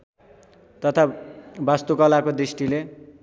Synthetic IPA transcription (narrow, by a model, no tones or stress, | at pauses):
t̪ʌt̪ʰabast̪ukʌlakod̪ɾisʈile